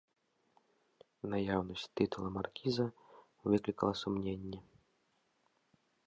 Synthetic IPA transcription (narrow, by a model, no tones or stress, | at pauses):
najawnɐsʲt̪ɨt̪ulˠɐmarkʲizɐ | vɨklʲikɐlˠɐsumnʲenʲːɛ